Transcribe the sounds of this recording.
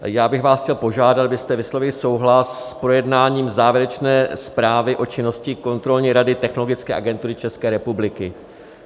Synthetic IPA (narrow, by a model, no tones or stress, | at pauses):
jaːbɪxvaːsxcɛlpo̞ʒaːdat̪bɪst̪ɛvɪslovɪlɪso̞wɦlasːpɾo̞jɛdnaːɲiːmzaːvjɛɾɛt͡ʃnɛːspɾaːvɪʔo̞t͡ʃɪno̞scɪko̞nt̪ɾo̞lɲɛɾadɪt̪ɛxnolo̞ɡɪt͡skɛːʔa̰ɡɛnt̪uɾɪt͡ʃɛskɛːɾɛpublɪkɪ